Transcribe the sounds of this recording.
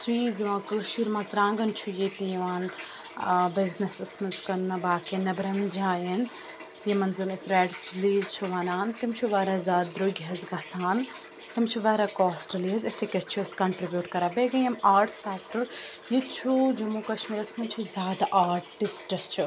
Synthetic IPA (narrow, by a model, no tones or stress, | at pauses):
sɾiːzʋãːkɐʃiːɾmɐzɾãːŋɡɐnt͡ʃʰujit̪ijiʋaːn | bɪznɐsɪsmɐnskɐnːɐbaːkenɐbɾɐŋd͡ʒãːjɐn | jimɐnzɐnɪsɾɛːʈt͡ʃliːzt͡ʃʰuʋaːnaːnt̪ɪmt͡ʃʰuʋaːɾaːzʲaːd̪d̪ɾʊɡʲɦɐzɡɐsaːn | t̪ɪmt͡ʃʰuʋaːɾakɔːsʈɐliɐzɪt̪ʰekʲeʈt͡ʃʰuɪskɐɳʈɾibjuːʈkɐɾaːbeːɡɐjɐmaːɾʈsɛːk̚ʈəɾ | jit͡ʃʰud͡ʒɐmuːkɐʃmiːɾɐsmunt͡ʃʰuzʲjaːd̪aʔaːɾʈɪsʈɐst͡ʃʰu